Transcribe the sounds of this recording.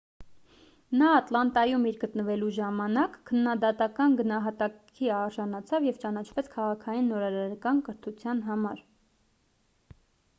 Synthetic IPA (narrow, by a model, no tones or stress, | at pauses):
nɑːt̪lɑnt̪ɑjumiɾɡət̪nəvɛluʒɑmɑnɑkʰːənːɑd̪ɑt̪ɑkɑnɡənɑɦɑt̪ɑk | iɑɾʒɑnɑt͡sʰɑvjɛvt͡ʃɑnɑt͡ʃʰvɛt͡sʰkʰɑʁɑkʰɑjinːɔɾɑɾɑɾkɑnkəɾt̪ʰut͡sʰjɑnɦɑmɑɾ